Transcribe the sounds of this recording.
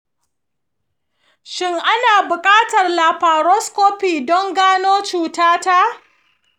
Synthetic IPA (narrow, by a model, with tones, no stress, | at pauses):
ʃɪ˦ŋʔa˦naː˨bʊ˨kʼaː˦tɐ˨rlaː˨ɸaː˨ɾɔ˦skoː˦ɸiː˨dɔ˦ŋɡaː˦noː˦t͡ʃuː˨taː˦ta˦ʔ